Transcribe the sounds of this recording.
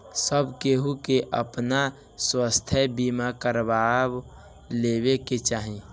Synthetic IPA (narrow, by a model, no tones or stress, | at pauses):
səbkeɦukeʔə̰pna | swəst̪ʰəbimakəɾbab | lebeket͡ʃaːɦĩ